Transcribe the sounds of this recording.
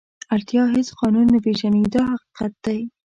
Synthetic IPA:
aɾt̪jɑɦɪsqɑnunːabeʒaned̪əɦaqi̥qat̪̚d̪̥aj

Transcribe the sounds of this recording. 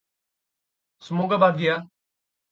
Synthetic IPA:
sʊmoːɡabaːd̪ʱijaː

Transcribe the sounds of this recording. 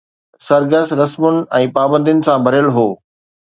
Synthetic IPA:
sɐɾɡəsɾɐsmʊnɪ̆ɛ̃ːpaːbə̃nd̪ijʊnɪ̆sãbʱɐɾjəlɦoː

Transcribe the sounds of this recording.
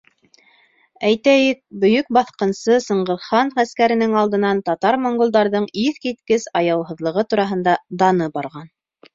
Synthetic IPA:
æjt̪æjɘk̚bɵ̆jɵk̚bɑθqɤ̆nsɤsɤ̆ɴɢɤ̆ɾχɑnχæskæɾɘ̆nɘŋɑlˠd̪ɤ̆nɑnt̪ɑt̪ɑɾmoŋɡolˠd̪ɑɾðɤɴiθkit̪kɘsɑjɑwɦɤ̆ðlˠɤ̆ʁɤt̪uɾɑɦɤ̆nd̪ɑd̪ɑnɤbɑɾʁɑn

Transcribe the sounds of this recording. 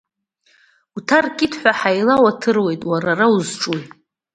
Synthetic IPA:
utʰarkʲʼɪtʰħʷᶣaħajlawatʰɨrwe̞jtʼwararauzʈ͡ʂʼuj

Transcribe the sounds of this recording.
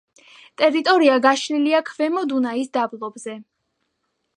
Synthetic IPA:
t̪ʼɛɾit̪ʼɔɾiaɡaʃliliakʰvɛmɔd̪unaisd̪ablˠɔbzɛ

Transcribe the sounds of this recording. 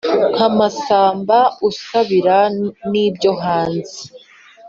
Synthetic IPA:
ŋamasaːmbausaβiɾaniːbjo̞ɦaːnzi

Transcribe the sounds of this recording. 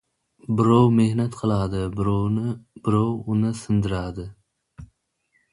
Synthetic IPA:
bɪɾowmehnɛt̪qʰəlˠɑːd̪ɨɾnbɪɾɔwunɨsɨnd̪ɨɾɑd̪ɨ

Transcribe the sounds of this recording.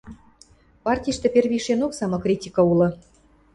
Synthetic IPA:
pɑrtʲijʃt̪ĕpʲerβʲiʃenoksɑmɤ̆krʲitʲikɤ̆ulɤ̆

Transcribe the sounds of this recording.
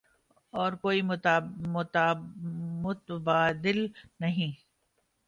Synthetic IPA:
ɔːɾkoːi | mʊt̪baːd̪ɪlnɐɦĩ

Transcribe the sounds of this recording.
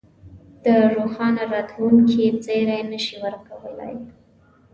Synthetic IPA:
d̪̥əɾoxɑnaɾat̪wumket͡seɾajnəʃiwəɾkawəla̰j

